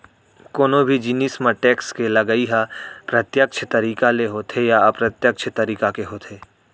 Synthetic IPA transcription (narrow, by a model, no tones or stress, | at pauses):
koːnobʱid͡ʒiniːsmə̃ʈeːkskelɐɡəiɦapɾɐt̪jəkʃʰət̪ɐɾiːkaleɦoːt̪ʰejapɾɐt̪jəkʃʰət̪ɐɾiːkakeɦoːt̪ʰeː